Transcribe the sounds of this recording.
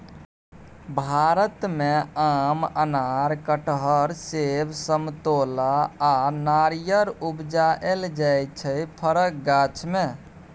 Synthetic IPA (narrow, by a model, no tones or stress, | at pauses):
bʱaɾət̪meamənaɾkəʈɦəɾsebsəmt̪olaanaɾijəɾubd͡ʒaʔeld͡ʒajt͡ʃʰəjpʰəɾək̚ɡat͡ʃʰme